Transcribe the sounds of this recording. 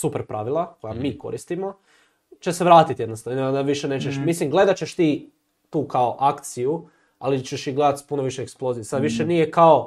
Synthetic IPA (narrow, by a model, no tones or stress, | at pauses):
supeɾpɾaʋilˠakojamiːko̞̰ɾist̪imo̞ | t͡ʃeseʋɾaːt̪it̪jed̪nost̪aaʋiʃene̞ːt͡ʃeʃmislimɡle̞d̪at͡ɕeʃt̪iː | t̪uːkaoʔakt̪siju | a̰lit͡ʃeʃiɡle̞d̪at̪spunoʋiʃeeksplo̞zijesad̪ʋiʃenijekao̞